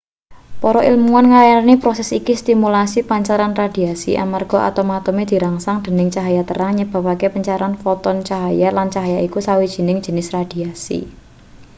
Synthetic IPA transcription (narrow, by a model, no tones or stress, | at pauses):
pɔɾɔilmuanŋajanipɾɔsɛsikist̪imulasipaɲt͡ʃaɾanrad̪̥i̤asḭʔa̰marɡ̥ɔ̤ʔa̰t̪awmat̪umed̪̥i̤ɾaŋsaŋd̪̥ə̤nɪŋt͡ʃaɦajat̪ə̰ɾaŋɲəb̥a̤pakepəɲt͡ʃaɾanfɔt̪ɔnt͡ʃaɦajalant͡ʃaɦajaikusawid̥ʒ̥i̤nɪŋ̥ʒ̥ə̤nɪsrad̪̥i̤asḭ